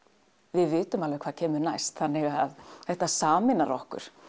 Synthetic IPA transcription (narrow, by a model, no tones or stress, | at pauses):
vɪðvɪːt̪ʏmalvɛkʰvaːðcʰɛːmʏɾnajst̪θanːɪɣaðθɛht̪asaːmɪnaɾɔ̰hkʏ̰ɾ̥